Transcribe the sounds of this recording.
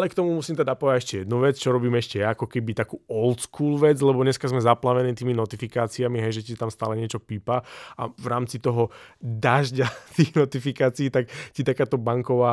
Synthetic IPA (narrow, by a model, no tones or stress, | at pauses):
ʔalɛkt̪ɔmumusiːmt̪ɛd̪apɔaɟɛʃcɛjɛd̪nuʋɛt͡st͡ʃɔɾɔbiːmɛʃcɛjaːkɔkɛbit̪akuːɔlt̪skuːlʋɛd͡zlɛbɔɲɛskazmɛzaplaʋɛniːt̪iːminɔt̪ifikaːt͡siamiɦɛjʒɛcit̪amst̪aːlɛɲɪɛt͡ʃɔpiːpaa̰vɾaːmt͡sit̪ɔɦɔd̪aʒɟat̪iːxnɔt̪ifikaːt͡siːt̪akcit̪akaːt̪ɔbaŋkɔʋaː